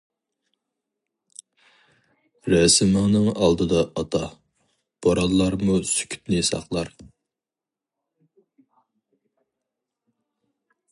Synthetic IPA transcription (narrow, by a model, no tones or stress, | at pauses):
ɾɛsɪmɪŋnɨŋɑlˠd̪ɨd̪ɑɑt̪ʰɑ | b̥ɑɾɑllːɑɾmusy̥kʲʰy̥t̪nɪsɑ̰χlˠɑɾ